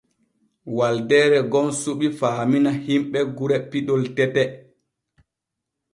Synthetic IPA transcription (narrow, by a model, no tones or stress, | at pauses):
waldɛːɾɛɡɔnsuɓifaːminahimɓɛɡuɾɛpiɗɔltɛtɛ